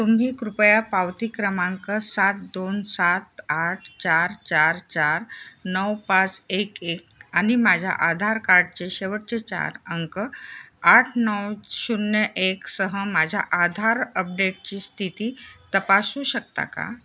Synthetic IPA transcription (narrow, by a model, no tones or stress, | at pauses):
t̪umɦiːkɾupəjapawt̪ikɾəmãŋkəsat̪̚d̪onsat̪aʈʰt͡ɕaɾt͡ɕaɾt͡ɕaɾnəwpat͡sekekañimad͡ʑʱja̰ʔad̪ʱaɾkaɾɖ̚t͡ɕeɕeʋəʈ̚t͡ɕet͡ɕa̰ɾəŋkəaʈʰnəwɕunjəʔeksəɦəmad͡ʑʱja̰ʔad̪ʱaɾəp̚ɖeʈ̚t͡ɕiːst̪ʰit̪iːt̪əpasuːɕək̚t̪a̰ka̰